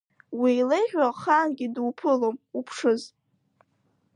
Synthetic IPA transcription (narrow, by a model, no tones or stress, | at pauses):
wiːlejħᶣaχanɡʲidwpʰɨlomupʰʂɨz